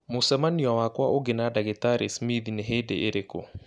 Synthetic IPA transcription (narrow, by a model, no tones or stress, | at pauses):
mosɛmaniɔwakwaʔoɡenadaɣetaɾesmiðineɦedeʔeɾeko